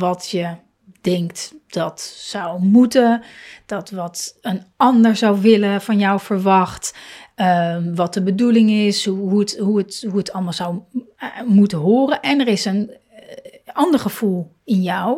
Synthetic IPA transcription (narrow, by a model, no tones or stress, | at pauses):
ʋɑtjə | d̥ɛŋktd̥ɑtsʌwmutəd̥ɑtʋɑtənɑndəɹzʌwʋɪləvɑnjɔwfəɹʋɑχtəʋɑt̚dəbədulɪŋɪsɦutɦuətɦuətʰɑlˠmɑːlˠzʌw | mutəɦoːrənʔɛnəɹɪsən | ɑndəɹχəv̥ulˠ | ɪnjɔw